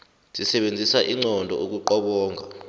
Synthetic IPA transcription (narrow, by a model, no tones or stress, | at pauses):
zʼisɛɓend͡zʱisaʔiŋ͡ǀɔndʱɔ̰ʔok̬uǃɔɓɔːŋʱa